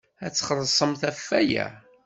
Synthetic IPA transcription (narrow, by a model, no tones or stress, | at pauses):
æt͡sːχəɾˤsˤəmθæfːæjæ̰